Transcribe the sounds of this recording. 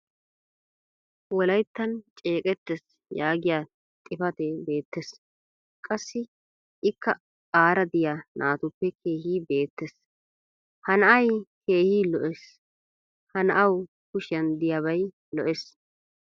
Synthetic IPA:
wɔlɐjt̪ːɐnt͡ʃʼeːkʼɛt̪ːɛs | jaːɡɪjaː | t̪ʼɪfɐt̪ɛbe̞ːt̪ːɛs | kʼɐsːɪ | ʔɪkːɐ | aːɾɐd̪ɪjanʔaːt̪ʊpːɛkʰe̞ːhiːbe̞ːt̪ːɛs | hɐnɐʔɐjke̞ːhiːlɔʔɛs | hɐnɐʔɐw | kʊʃɪjɐnd̪ɪjɐβɐj | lɔʔɛs

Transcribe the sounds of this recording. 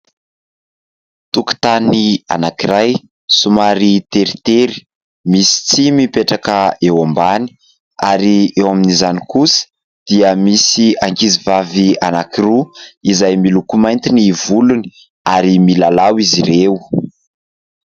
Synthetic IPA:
t̪uku̥t̪ania̰nakiɾaj | sumaɾit̪eɾit̪eɾi̥ | misi̥t͡simipeʈ͡ʂakəewambani̥ | aɾiewaminizanikusə̥ | d̪̥iəmisiaŋkizivavianakiruizajmilukumajnt̪inivuluni̥ | aɾimilalawiziɾew

